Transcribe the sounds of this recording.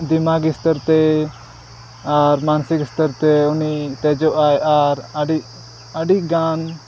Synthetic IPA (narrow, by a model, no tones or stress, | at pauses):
d̪imaɡist̪əɾt̪ɛ | aɾmansikst̪əɾt̪ɛunit̪ɛd͡ʒɔʔajaɾəɖiʔ | əɖiɡan